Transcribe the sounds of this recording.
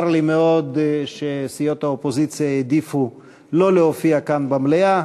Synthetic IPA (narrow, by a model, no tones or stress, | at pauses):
ʁlimeod̪ʃesijo̞t̪haopozit͡sjaed̪ifu | lo̞lehofiakanbamlea